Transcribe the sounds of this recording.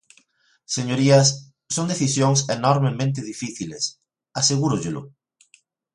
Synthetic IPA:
seɲoɾiɐsː | oŋd̪eθisjoŋsenɔɾmemẽnt̪̬ɪðifiθiles | aseɣuɾʊʎɪlʊ̰

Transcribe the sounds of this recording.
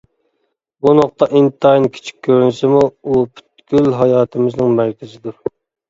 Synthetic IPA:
bunoq̚t̪ɑʔint̪ʰɑjnkʲʰi̥t͡ʃʰi̥k̚ʲʰːøɾnɪsɪmuupʰy̥t̪ɡʲylɦɑjɑːt̪ʰɪmɪznɪŋmæɾkʲɪzɪd̪uɾ

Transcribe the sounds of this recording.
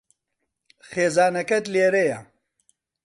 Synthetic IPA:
xeːzaːnɐkɐt̪leːɾejɐ

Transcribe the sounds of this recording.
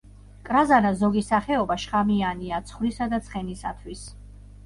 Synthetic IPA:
kʼɾazanazɔɡisaχɛɔbaʃχamianiat̪sʰχwɾisad̪at̪sʰχɛnisa̰t̪ʰwis

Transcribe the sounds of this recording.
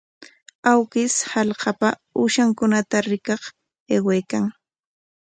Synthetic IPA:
awkɪshɑlhɑpaʊʃaŋkʊnat̪aɾɪkɑχ | ewejkaŋ

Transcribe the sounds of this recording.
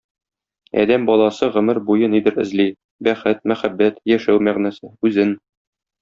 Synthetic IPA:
æ̰d̪æmbɒlˠɑsɤʁɵ̆mɘɾbujɤnid̪ɘɾɘ̆zli | bæχɘt̪̚mæχæbːæt̪jæʃæwmæʁnæsɘʉzɘn

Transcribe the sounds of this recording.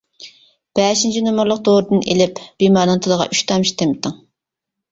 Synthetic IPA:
b̥ɛːʃint͡ʃʰinomʊɾlˠəq̚d̪oɾɨd̪ɨnʔḛlɪpb̥imɑːɾnɨŋt̪ʰɨd̪əʁɑ̰ʔyʃt̪ʰɑmʃt̪ʰemt̪ʰɨŋ

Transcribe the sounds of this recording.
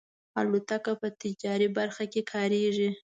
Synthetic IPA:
alut̪akapət̪ɪd͡ʒɑɾibaɾxakekʰɑɾeʐi

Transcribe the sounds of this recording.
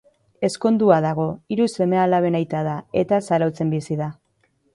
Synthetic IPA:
e̞sko̞nd̪uaðaɣ̞o̞iɾuse̞mealaβe̞najt̪aðae̞t̪asaɾawt͡se̞mbisiða

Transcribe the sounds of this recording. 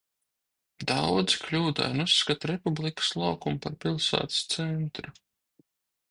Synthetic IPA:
d̪awd̪zklʲuːd̪a̰nusːkat̪ɾɛpublˠikə̥slˠɑwkumpaɾpilˠsæ̰ːt̪st̪sɛnt̪ɾu

